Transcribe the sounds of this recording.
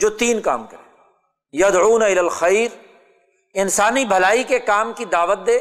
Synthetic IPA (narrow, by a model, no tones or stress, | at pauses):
d͡ʒoːt̪iːnka̰ːmkɐɾẽː | jɐd̪ʕuːnaɪlaːlxɐjɾ | ɪnsaːnibʱɐlaːikekaːmkid̪aːʋət̪̚d̪eː